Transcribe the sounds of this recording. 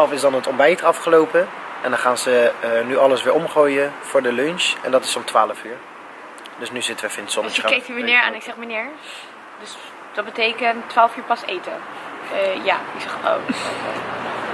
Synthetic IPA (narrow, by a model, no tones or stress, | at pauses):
ɛlˠfɪsdɑnɦətɔmbɛjtɑfχəlowpəɛndɑnχaːnzənyʔɑləsʋɪːɹɔmχoːjəv̥ʊːɹdəlønʃɛ̰ndɑtɪ̥sɔmtʋaːləfyːɹ | dɵsnyzɪtəʋəfɪnsɔnəkɛjk̚ymənɪːɹa̰ːnɪksɛχmənɪːɹ | døs | d̥ɑt̚bətejkəntːʋaːlˠəfyːɹpɑsejtə̰ | ja̰ːɪksɛχo̰w